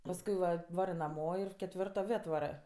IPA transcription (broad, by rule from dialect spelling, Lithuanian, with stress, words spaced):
pɐsˈkʊɪ ʋɐ ˈʋɑːrɜ nɐˈmoː ɪr kʲɛtʲˈʋʲɪrtoː ˈʋʲeː ɐtˈʋɑːrɜ